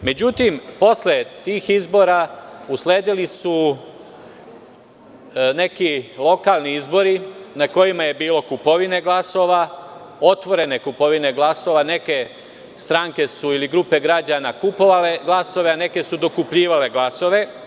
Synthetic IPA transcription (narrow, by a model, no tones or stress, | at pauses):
me̞d͡ʑut̪impo̞sle̞t̪iːxizbo̞ɾausle̞ːd̪ilisu | ne̞kilˠo̞kaːlˠniizbo̞ɾinako̞jimaje̞biːlo̞kupo̞ʋine̞ɡlˠaso̞ːʋa | o̞t̪ʋo̞ɾe̞ne̞kupo̞ʋine̞ɡlaso̞ʋane̞ke̞ | st̪ɾaŋke̞suiliɡɾupe̞ɡɾad͡ʑanakupo̞ʋale̞ɡlˠaso̞ʋe̞ane̞ke̞sud̪o̞kupʎiːʋale̞ɡlaso̞ʋe̞